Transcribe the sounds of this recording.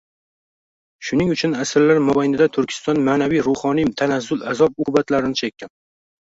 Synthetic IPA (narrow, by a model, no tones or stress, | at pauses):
ʃʊnɪŋʊt͡ʃʰʊnasɪɾlaɾmʊbajnɪd̪at̪ʰʊɾkʲʰɪ̥st̪ɒnmaːnavijɾʊhɒnit̪ʰanazːʊlazɒb̚ʊkʊbat̪laɾɪnɪt͡ʃʰekʲːan